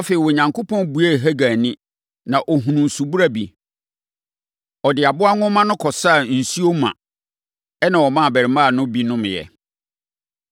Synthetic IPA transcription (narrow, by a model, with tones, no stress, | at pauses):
ɔ˦fe˨i˨wɔ˨ɲã˨ŋko˦pʰɔ̃˦nbu˨˦e˦˨ɦæ˦ɡa˨nĩ˦ | nã˨ʔɔ˨ɦũ˨nũ˨n˨su˨bu˦ɾa˦bḭ˨ | ɔ˨dɪ˨a˨bʊ˦a˦ŋʊ̃˦mã˦nʊ̃˦kʰɔ˨sa˦˨n̩˨su˦o˦mã̰˨ | ɛ˦nã˨wɔ˨mã˦˨bæ˨ɪ˨mã˦˨nʊ̃˦bi˦nʊ̃˦m˨jɛ̰˨